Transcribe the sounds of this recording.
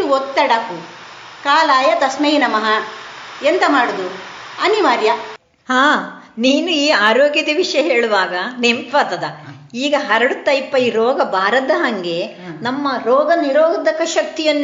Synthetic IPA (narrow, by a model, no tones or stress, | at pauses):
ɔt̪ːɐɽɐkukaːlaːjɐt̪ɐsmɐjinɐmɐɦɐ | ent̪ɐmaːɽud̪uɐniʋaːɾjɐ | haː | niːnuiːaːɾoːɡjɐd̪iʋiʂɐjɐɦeːɭuʋaːɡɐnempɐt̪ɐd̪ɐ | iːɡɐɦɐɾɐɽut̪ːɐjpːɐjiɾɔːɡɐbʱaːɾɐd̪ɐɦɐŋɡe̞ | nɐmːɐɾɔːɡɐniɾɔːɡɐd̪ɐkːɐʃɐk̚t̪ijɐnː